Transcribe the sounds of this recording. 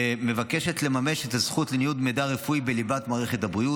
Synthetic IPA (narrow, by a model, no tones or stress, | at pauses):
me̞vake̞ʃe̞tle̞mame̞ʃethazχutlenijudmedaʁefuibelibatmaːʁe̞χetabʁiu